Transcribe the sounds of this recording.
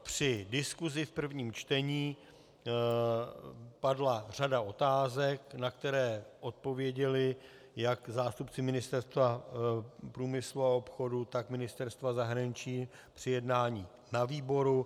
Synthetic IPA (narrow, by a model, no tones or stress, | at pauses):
pr̝̥ɪdɪskuzɪfpr̩vɲiːmt͡ʃt̪ɛɲiː | padlar̝adaʔo̞t̪aːzɛknakt̪ɛɾɛːʔo̞t̪̚po̞vjɛɟɛlɪ | jakzaːst̪upt͡sɪmɪnɪst̪ɛɾst̪va | pɾuːmɪsluao̞pxo̞dut̪akmɪnɪst̪ɛɾst̪vazaɦɾaɲɪt͡ʃiː | pr̝̥ɪjɛdnaːɲiː | naviːbo̞ɾu